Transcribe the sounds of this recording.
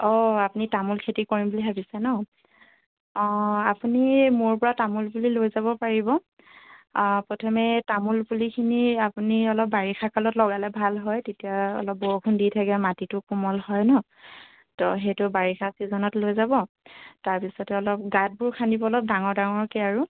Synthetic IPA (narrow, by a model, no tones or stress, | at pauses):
ɔapunitamulkʰetikɔɹimbuliɦabisɛnɔ | apunimʊɹpɔɹatamulbulilojzaβɔpaɹibɔ | pɹɔtʰɔmɛtamulpulikʰiniapuniɔlɔp̚ːaɹixʰakalɔtlɔɡalɛbʱalɦɔjtetijaɔ̰lɔp̚bɔɹukʰunditʰakɛmatitʊkumɔlhɔjnɔ | tɔ̰ɦejtʊbaɹixʰasizɔnɔtlojzabɔ | taɹpisɔtɛɔlɔp̚ɡat̚bʊɹkʰandibɔlɔp̚daŋɔɹdaŋɔɹkeaɹu